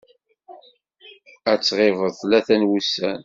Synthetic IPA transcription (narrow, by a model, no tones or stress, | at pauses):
æt͡sːʁɪvəðˤθlæθænwusːæn